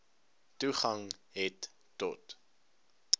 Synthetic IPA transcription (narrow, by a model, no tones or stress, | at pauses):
tuχɐŋɦɛtː | ɔt